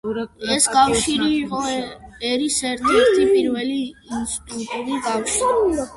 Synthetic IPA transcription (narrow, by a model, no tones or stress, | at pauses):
ɛsɡawʃiɾiɔɛɾisɛɾt̪ʰit̪ʰipiɾwɛliːnst̪ut̪uɾiɡawʃi